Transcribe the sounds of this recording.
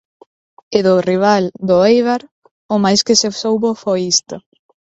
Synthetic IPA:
ɪðʊriβ̞ald̪ʊejβaɾ | ʊmajskɪsesowβofojist̪ʊ

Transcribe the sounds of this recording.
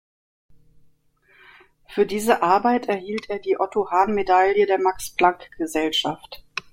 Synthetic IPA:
fyːɐdiːzəʔaɐbaɪtɛɐhiːltʰʔeːɐdiːʔɔtʰohaːnmedaljədeːɐmaksb̥laŋkɡ̥əzɛlʃaft

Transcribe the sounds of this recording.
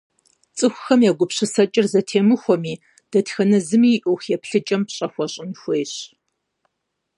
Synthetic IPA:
t͡sʼɨxʷʊxɐmjaːɡʷʊpɕɨsɐt͡ʃʼɪrzɐtʰeːmɨxʷɔmiː | d̥ɐtxɐnɐzɨmiːʔoxɛpɬɨt͡ʃʼɐmpɕʼɐxʷɔɕʼɪnxʷejɕ

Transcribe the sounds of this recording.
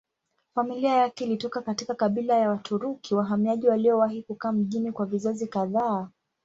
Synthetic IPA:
familiajakɛilitɔkakatikakaɓilajawatʰuɾukʰiwaɦamiaʄiwaliɔwaɦikukaːm̩ʄinikwavizazikaðaː

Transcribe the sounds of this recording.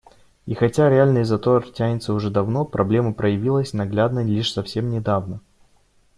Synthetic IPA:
ixɐtʲaɾʲɪalʲnɨjzɐt̪ortʲænʲɪt̪səʊʐɛd̪ɐvno̞pɾɐblʲe̞məpɾəjɪvʲilˠəsʲnɐɡlʲad̪nəlʲiʂsɐfsʲe̞mnʲɪd̪avnə

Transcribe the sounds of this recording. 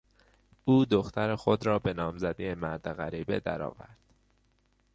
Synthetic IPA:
ʔuːd̪oxt̪ʰæɾexod̪ɾɒːbe̞nɒːmzæd̪iemæɾd̪eɣæɾiːbe̞d̪æ̰ɾɒ̰ːvæ̰ɾd̪̥

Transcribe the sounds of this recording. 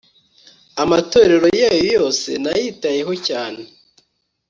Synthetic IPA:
amato̞ɾe̞ɾo̞jajojo̞ːse̞̰najiːtaje̞ɦo̞caːne

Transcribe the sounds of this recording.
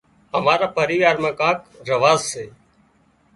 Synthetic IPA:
ɦəmaːɾaːpəɾiːʋaːɾmãːkãːkɾəʋaːzseː

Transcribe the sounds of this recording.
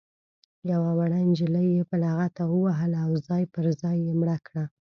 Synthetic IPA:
jawawaɽajnd͡ʒələjepəlaɣat̪awəwaɦəlawzɑjpəɾzɑjːemɽakɽa

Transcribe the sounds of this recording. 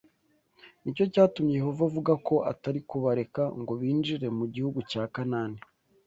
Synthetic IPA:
nico̞caːtumɲejeɦovavuɡako̞ʔa̰taɾikuβaɾe̞kaŋɡo̞βiːnd͡ʒiɾe̞muɟihuɡucaːkanaːni

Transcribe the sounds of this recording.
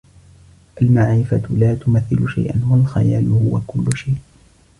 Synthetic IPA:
ʔalmaʕɾɪfalaːt̪ʊmaθːɪlʊʃa̰jʔa̰nwalxa̰jaːlhʊwakʊlːʊʃajʔ

